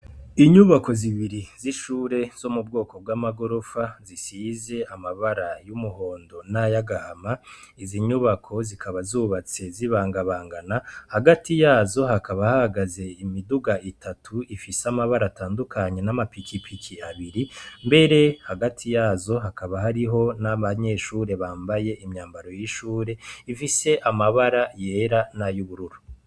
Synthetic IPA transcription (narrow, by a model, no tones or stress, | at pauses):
iɲuβako̞ziβiɾiziʃuːɾe̞z̥o̞mubɡo̞ːko̞b̚ɡwaːmaɡo̞ɾo̞fazisize̞amaβaɾajumuho̞ːndo̞najaɡahama | iziɲuβakʰo̞zikʰaβazuːβat͡se̞ziβaːŋɡaβaːŋɡanahaɡatijaːzo̞hakaβahahaɡaze̞imiduɡaʔitʰatʰuifisamaβaɾataːndukʰaɲe̞namapikipʰikʰiaβiɾimbe̞ɾe̞haɡatʰijaːzo̞ɦakaβahaɾiɦo̞naβaɲe̞ʃuːɾe̞βaːmbaje̞ʔimɲaːmbaɾo̞jiʃuːɾe̞ifise̞ʔamaβaɾaje̞ːɾanajuβuɾuɾu